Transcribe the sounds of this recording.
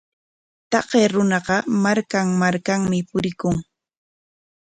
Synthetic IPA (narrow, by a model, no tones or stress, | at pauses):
t̪ɑɢeːɾʊnɑqɑmaɾkaŋmaɾkaŋmɪpʊɾɪkʊŋ